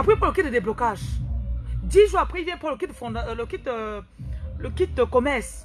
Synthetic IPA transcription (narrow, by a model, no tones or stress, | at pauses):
apχɛpɔləkʲit̪̚d̪əd̪eblɔkaʒ | d̪iʒuʁapχɛilvjɛ̃npɔləkit̪̚d̪əfɔ̃d̪ləkit̪ø | ləkʲit̪̚d̪əkɔmɛʁs